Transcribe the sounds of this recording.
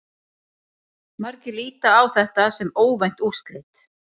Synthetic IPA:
maɾcɪliːt̪aːwθɛht̪asɛmoːwvajn̥t̪ust̪lɪt̪

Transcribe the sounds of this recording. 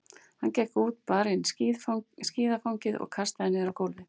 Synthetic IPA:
hancɛːhkuːt̪̚paːɾɪn | sciːðafawɲcɪðɔ̰ɣkʰast̪aðɪnːɪðɾawkowlvɪ

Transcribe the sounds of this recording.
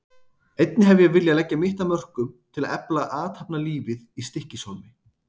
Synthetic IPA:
ejt̪̚nɪɦɛvɪjɛvɪljaðlɛcːamɪht̪amœr̥kʏmt̪ʰɪlaðɛplaʔaːt̪hapnaliːvɪðist̪ɪhcɪsomɪ

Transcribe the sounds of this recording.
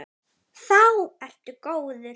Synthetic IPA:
θawɛl̥t̪ʏkoːwðʏ

